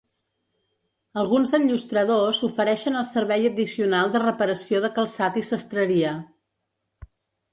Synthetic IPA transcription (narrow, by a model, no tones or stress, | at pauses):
əlˠɣunzənʎust̪ɾəðozufəɾɛʃənəlˠsəɾβɛjəðisiunalˠd̪ərəpəɾəsioðəkəlˠsat̪isəst̪ɾəɾiə